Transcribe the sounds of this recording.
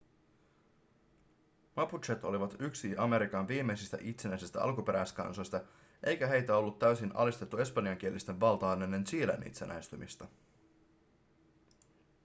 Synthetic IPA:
mɑput̪ʃet̪o̞̰liʋɑt̪yksiɑme̞ɾikɑnʋiːmːe̞jsist̪æ̰ʔit̪se̞næjsist̪æ̰ʔɑ̰lkupe̞ɾæjskɑ̰nso̞jst̪ɑ | ʔe̞jkæɦe̞jt̪æo̞lːut̪ːæɥsinʔɑ̰list̪e̞t̪ːue̞spɑniɑŋk̟ie̞list̪e̞ʋʋɑlt̪ɑːnenːent͡ʃiːlæ̰nʔḭt̪senʔæ̰est̪ymist̪ɑ

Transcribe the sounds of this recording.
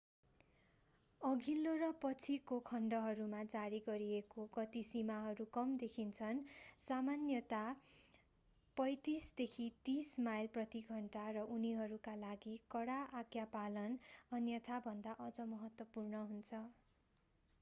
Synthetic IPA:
ʌɡʱilːoɾʌpʌt͡sʰikokʰʌɳɖʌɦʌɾumad͡zaɾiɡʌɾiekoɡʌt̪isimaɦʌɾukʌmd̪ekʰint͡sʰʌnsamanjʌt̪a | pʌjt̪isd̪ekʰit̪ismajlprʌt̪iɡʱʌɳʈarʌʔuniɦʌɾukalaɡikʌɽaʔaɡjapalʌnʌnjʌt̪ʰabʱʌnd̪aʔʌd͡zʌmʌɦʌt̪wʌpurnʌɦunt͡sʰʌ

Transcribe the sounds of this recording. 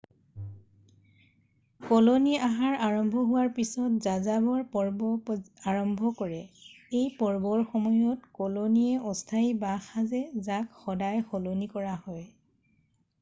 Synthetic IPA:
koloniaɦaɹaɹɔmbʱɔɦʊwaɹpisɔt̚zazabɔɹpɔɹbɔpaɹɔmbʱɔkɔɹɛejpɔɹbɔɹxɔmɔjɔtkolonijɛɔstʰaibaxazɛzakxɔdajxolonikɔɹahɔj

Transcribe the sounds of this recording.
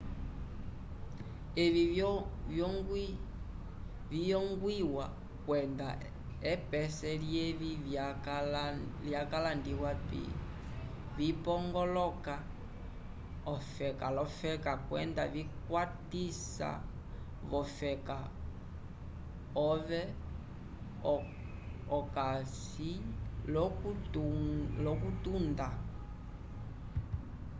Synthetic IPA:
ɛvivjɔŋɡwi | vijɔŋɡwiwa | kwɛnda̰ | ɛpɛsɛljɛβilljakalandiwapḭ | vipɔŋɡɔlɔka | ɔfɛkalɔfɛkakwɛ̰ndavikwatisa̰ | βɔfɛka | ɔvɛ | ɔkasilɔk | lɔkutunda

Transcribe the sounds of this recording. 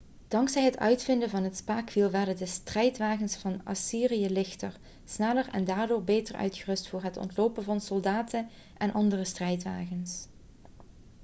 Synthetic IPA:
d̥ɑŋksɛjɦətœ̰ɥtfɪndəvɑnɦətspaːkfilˠʋɛɹdədəstrɛjtʋaːɣənsfɑna̰siːrijəlɪxtəɹ | snɛlərɛ̰ndaːɹdʊːɹbejtərœ̰ɥtxərɵstfʊːɹɦətɔ̰ntloːpənvɑnsɔlˠdaːtʰən | ʔɛnʔɑndərəstrɛjtʋaːɣəns

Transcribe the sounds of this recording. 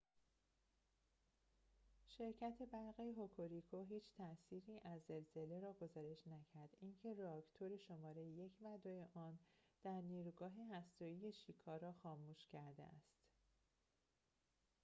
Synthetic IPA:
ʃe̞ɾcʰæt̪ʰe̞bæɾɣiɦokʰoɾikʰoɦiːt͡ʃʰt̪ʰæʔsiːɾiːʔæzːe̞lz̥e̞le̞ɾɒːɡo̞zɒːɾe̞ʃnæcʰæɾd̪incʰe̞ɾeɒkt̪ʰoɾe̞ʃo̞mɒːɾe̞jeje̞cʰmæd̪ojeʔɒːnd̪̥æɾniːɾuɡɒːɦeɦæst̪ɒːije̞ʃiːkʰɒːɾɒːxɒːmuːʃcʰæɾd̪ḛʔæ̰st̪

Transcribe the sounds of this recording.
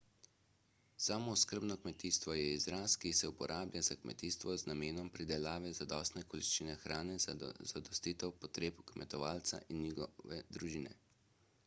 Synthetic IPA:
saːmoskəɾbnɔkmɛt̪iːst̪ʋɔjɛizɾaskisɛupɔɾʔaːblʲjʲazakmɛ̰t̪iːst̪ʋɔznameːnɔmpɾid̪ɛlaːʋɛzad̪ɔ̰st̪nɛkɔliʃt͡ʃiːnɛxɾʔaːnɛzad̪ɔst̪iːt̪ɛwpɔt̪ɾeːpkmɛ̰t̪ɔʋaːlt̪sa̰ʔinːjiɡɔʋɛd̪ɾuʒiːnɛ̰

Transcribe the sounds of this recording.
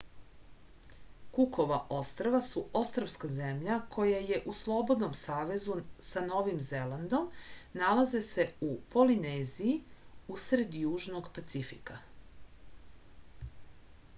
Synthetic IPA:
kukʰo̞ʋaʔo̞st̪ɾoʋasuo̞st̪ɾoʋskazemʎakʰo̞jaje̞ʔuslˠo̞bo̞d̪nomsaːʋe̞zusano̞ʋimze̞lˠand̪o̞mnalaze̞se̞upo̞lineziiusɾe̞d̪juːʒno̞ɡpat̪sifḭka

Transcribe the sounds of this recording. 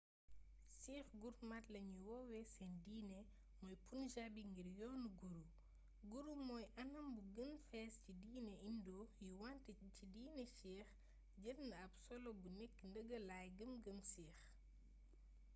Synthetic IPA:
siːxɡuɾmatlɐɲuwɔwɛsɛndiːnɛ | mɔjpunʒabiŋɡiɾjɔːnɡuɾu | ɡuɾumɔːjʔɐnɐmbuɡənfɛːscidiːnɛindɔjuwantəcidiːnɛsɛːx | ɟəlnɐbsɔlɔbunɛkːndəɡəlaːjɡəmɡəmsiːx

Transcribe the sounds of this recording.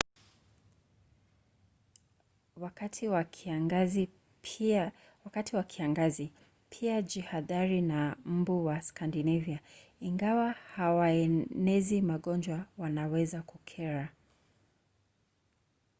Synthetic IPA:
wakatʰiwaɡz | wakatiwakʰiaŋɡazi | pʰiad͡ʒihaðaɾinam̩buwaskandinɛviaiŋɡawahawaɛnɛzimaɠɔnd͡ʒwawanawɛzakukʰɛɾa

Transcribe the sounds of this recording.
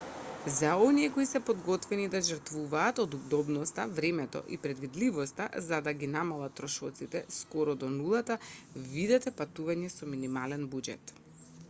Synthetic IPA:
zaɔniɛkɔisɛpɔd̪ɡɔt̪vɛnid̪aʒɾt̪vuvaːt̪ɔd̪ub̚d̪ɔbnɔst̪avɾɛmɛt̪ɔ̰ʔḭpɾɛd̪vid̪livɔst̪a̰zad̪aɡinamalˠat̪ːɾɔʃɔt̪sit̪ɛskɔɾɔd̪ɔnulˠat̪avid̪ɛt̪ɛpat̪uvaɲɛsɔminimalɛnbud͡ʒɛ̰t̪

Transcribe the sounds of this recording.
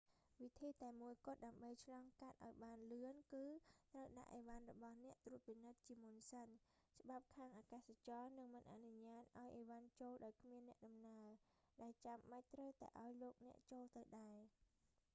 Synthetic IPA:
ʋit̪ʰiːt̪aɛmuəjkʊ̆ət̪̚ɗaəmɓəjt͡ɕʰlɑːŋkat̪̚ʔaɔjɓaːnlɨənkɨːt̪rəwɗa̰ʔːeːʋanrɔɓɑhnɛ̆əʔt̪ruət̪̚pinɨt̪̚t͡ɕiəmunsən | t͡ɕə̆ɓap̚kʰaːŋʔaːkaːsat͡ɕɑːnɨŋmɨnʔa̰ʔnuɲaːt̪̚ʔaɔjʔeːʋant͡ɕoːlɗaɔjkʰmiənːɛ̆əʔɗɑmnaə | ɗaɛlt͡ɕamɓac̚t̪rəwt̪a̰ɛʔaɔjloːk̚nɛ̆əʔt͡ɕoːlt̪ɨwɗaɛ

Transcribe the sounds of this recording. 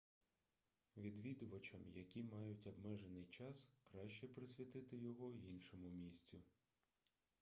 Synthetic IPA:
ʋʲid̪ʋʲid̪ʊʋɐt͡ʃɐmjɐkʲimɑjʊtʲɐbmɛʒenɪjt͡ʃɑskɾɑʃt͡ʃɛpɾɪsʲʋʲit̪ɪt̪ɪjɔɦɔinʃɔmʊmʲisʲt͡sʲʊ

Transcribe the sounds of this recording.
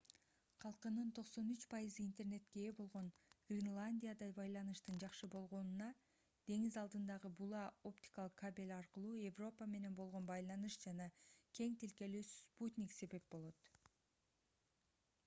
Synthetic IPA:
qʰɑlˠqɯnɯnt̪ʰo̞qso̞nyt͡ʃpɑjɯzɯint̪e̞rne̞t̪ke̞bo̞lˠʁo̞nɡ̥rʲinlˠanʲdʲijad̪ɑbɑjlˠɑnɯʃt̪ɯnd͡ʒɑqʃɯbo̞lˠʁo̞nunɑ | d̪̥e̞ŋizɑlˠd̪ɯnd̪ɑʁɯbulˠɑo̞pt̪ʲi̥kalˠɯqkʰːabʲelʲɑɾqɯlˠuːje̞vro̞pəme̞ne̞nbo̞lˠʁo̞nbɑjlˠɑnɯʃd͡ʒɑnɑkʲʰe̞ŋt̪ilke̞lysput̪ʲnʲikse̞βe̞p̚bo̞lˠo̞t̪

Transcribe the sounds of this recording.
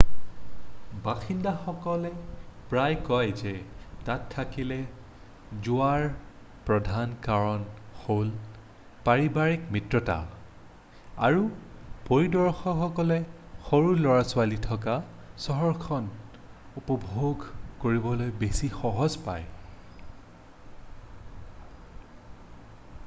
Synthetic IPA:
baxindaxɔkɔlɛpɹajkɔjzɛtatʰːakilɛ | zʊaɹ | pɹɔdʱankaɹɔnxol | paɹibaɹikmitɹɔta̰ | a̰ɹupoɹidɔɹxɔxɔkɔlɛ | xoɹulɔɹasʊalitʰɔka | sɔɦɔɹkʰɔn | upɔbʱoɡkoɹibɔlojbesixɔɦɔzpa̰j

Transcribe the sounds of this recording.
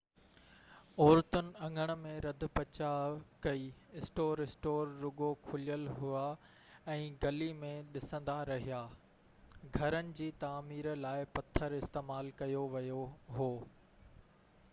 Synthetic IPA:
ɔːɾt̪ʊnɪ̆ɐ̃ŋɡʱəɽ̃̆mẽɾɐd̪ʱʊ̆pɐt͡ɕakɐiːɪsʈoːɾɪsʈoːɾːʊɡokʰʊlijəlɦʊa | ɛ̃ːɡɐlimẽɗɪsə̃nd̪aɾɐɦijaː | ɡʱɐɾənɪ̆d͡ʑiːt̪aːmiːɾlaːɪpɐt̪ʰəɾɪst̪eːmaːlkɐjoʋɐjoɦoː

